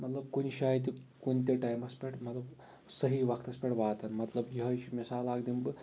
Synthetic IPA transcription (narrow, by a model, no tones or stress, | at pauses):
mɐt̪lɐb̚kuniʃaːjt̪̬ikunt̪̬ʲeʈajmɐspʲeʈʰmɐt̪lɐb | sɐɦiʋɐkʰt̪ɐspʲeʈʋaːt̪ʰɐnmɐt̪lɐbjiɦɐʃimisaːlaːɡd̪imbɨ